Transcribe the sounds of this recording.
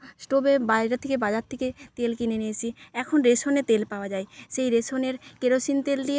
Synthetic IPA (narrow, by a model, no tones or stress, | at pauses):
sʈobebajɾat̪ʰekebad͡ʑaɾt̪ʰeket̪elkineniet͡ɕʰiɛkʰonɾesonet̪elpaoad͡ʑaeʃejɾesoneɾkeɾosint̪elɖie